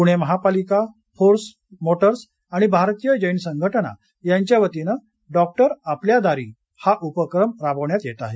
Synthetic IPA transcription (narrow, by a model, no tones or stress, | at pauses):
puɽ̃eməɦapalika | foɾs | moʈəɾs | aɽ̃ibʱaɾt̪ijəd͡ʑəjnsəŋɡʱəʈəna̰ | jaɲt͡ɕjaʋət̪inə | ɖɔk̚ʈəɾapljad̪aɾiː | haʔupəkɾəmɾabəʋɳjat̪jet̪aɦe